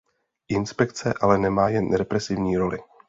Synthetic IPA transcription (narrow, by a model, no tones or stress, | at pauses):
ʔɪnspɛkt͡sɛʔalɛnɛmaːjɛnɾɛpɾɛsɪvɲiːɾo̞lɪ